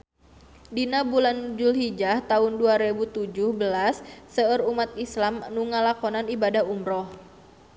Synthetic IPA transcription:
dinabuland͡ʒulɦid͡ʒaht̪aʊnduaɾebut̪ud͡ʒʊhbəlasːəərumat̪islamnuŋːalakɔnanibadahumɾɔh

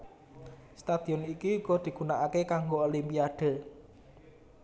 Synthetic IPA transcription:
st̪ad̪̥iɔnikiuɡ̥ɔd̪̥i̤ɡ̥unaʔakekaŋɡoolimpiad̪̥ə̤

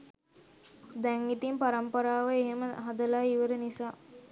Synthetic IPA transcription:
d̪ɛŋit̪impaɾampəɾaːʋəeɦeməɦad̪əlaiʋəɾənisaː

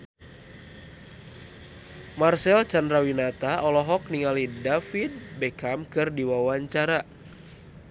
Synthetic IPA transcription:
marsɛlt͡ʃandɾawinat̪aʔɔlɔɦɔk̚niŋalidafid̚bɛkamkɨrdiwawaɲt͡ʃaɾa

